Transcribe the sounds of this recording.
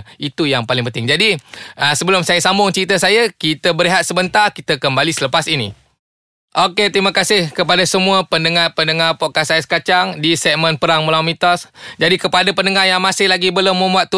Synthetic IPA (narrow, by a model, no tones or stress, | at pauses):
it̪ujaŋpalɪŋpənt̪ɪŋd͡ʒadiəsəbəlʊmsajasambʊŋt͡ʃəɾit̪əsajakit̪əbəɾiɦat̪̚səbənt̪arkit̪əkəmbalisələpasinḭ | ʔoket̪ɾimakasɪhkəpadasəmũəpəndəŋapəndəŋapoʔkasajəsə̥kat͡ʃaŋdisɛk̚mə̃npəɾaŋməlawamĩt̪ɔsd͡ʒadikəpadapəndəŋajaŋmasɪhlaɡibəlʊmːəmbuat̪ːu